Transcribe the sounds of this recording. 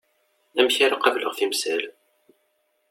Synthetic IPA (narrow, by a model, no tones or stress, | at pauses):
æmçaɾaqɑvləʁθimsæl